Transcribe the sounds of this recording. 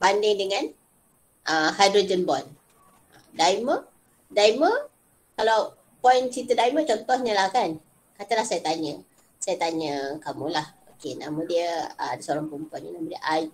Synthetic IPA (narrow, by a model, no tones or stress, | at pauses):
bandɪŋdəŋãn | ʔəhajdɾod͡ʒənbɔn | ədaimə | daimə | kalaw | pɔint͡ʃit̪ədaimə̃t͡ʃɔnt̪ɔhɲəlahkan | kat̪əlahsajat̪aɲə | sajat̪aɲəkamulahokena̰mə̃diəə̰adəsəoɾaŋpɔinpɔjnɲənamədiəʔaj